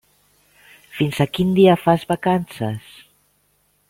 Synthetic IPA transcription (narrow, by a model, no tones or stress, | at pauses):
finzakind̪iafazβakansas